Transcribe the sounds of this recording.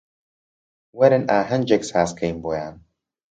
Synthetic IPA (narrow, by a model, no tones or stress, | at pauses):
wɐɾɨnaːɦɐnd͡ʒeksaːskʰɐjnboːjaːn